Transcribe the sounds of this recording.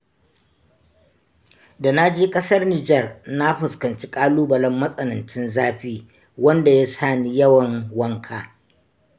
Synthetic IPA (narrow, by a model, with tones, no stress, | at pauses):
da˨na˦d͡ʒeː˦kʼɐ˦sɐ˦rniː˨d͡ʒɐ˦˨rna˦ɸʊ˨skɐ˨nt͡ʃi˦kʼaː˦luː˦bɐ˨lɐ˦mːɐ˦sʼɐ˨nɐ˨nt͡ʃɪ˦nzaː˦ɸiː˦ | wɐ˦nda˨ja˦saː˦˨ni˦jɐ˦wɐ˨ŋwɐ˦ŋkʰaː˨